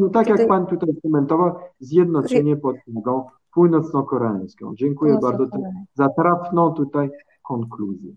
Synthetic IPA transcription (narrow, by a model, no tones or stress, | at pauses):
ut̪akjak̚pant̪ut̪ajskɔmɛnt̪ɔvawzʲjɛd̪nɔt͡ʂɛɲɛpɔt̪maɡ̪ɔ̃ | puwnɔt̪snɔ̃kɔɾɛɛ̰̃j̃skɔ̰̃w̃d͡ʑɛŋkujɛbaɾd̪zɔt̪ɛzat̪ɾafnɔ̃t̪ut̪aj | kɔ̃ŋkluzjɛ̰